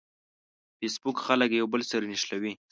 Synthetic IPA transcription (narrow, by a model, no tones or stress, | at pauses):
fesbukxaləkjawbəlsaɾniʃlawi